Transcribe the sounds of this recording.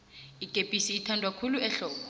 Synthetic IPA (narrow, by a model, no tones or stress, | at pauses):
iɡ̥ʱʼepʼisiːtʰandʱwakʰuluɛɬɔːkɔ